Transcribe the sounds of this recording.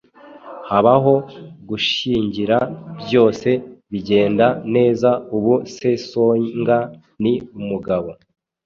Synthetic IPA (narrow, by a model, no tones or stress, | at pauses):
haβaɦo̞ɡuʃiːɲɟiɾabjo̞ːse̞βiɟe̞ːndane̞ːzauβuse̞soŋɡa | niumuɡaβo̞